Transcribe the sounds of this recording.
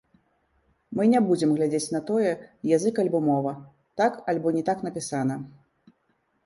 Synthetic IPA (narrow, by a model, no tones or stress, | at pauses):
mɨnʲabud͡zʲɛmɣlʲad͡zʲet͡sʲn̪ɐt̪ɔjɛjazɨkalʲbɔmɔvɐ | t̪akalʲbɔnʲɛt̪akn̪ɐpʲisanɐ